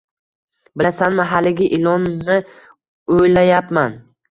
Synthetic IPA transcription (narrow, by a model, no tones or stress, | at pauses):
bɪlasanmaɦalːɪɡʲaʔɪlɒnːɪ | ojlajapman